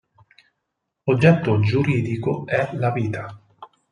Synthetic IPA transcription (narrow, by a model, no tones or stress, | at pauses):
od͡ʒːɛt̪ːod͡ʒuɾiːd̪ikoɛlaviːt̪a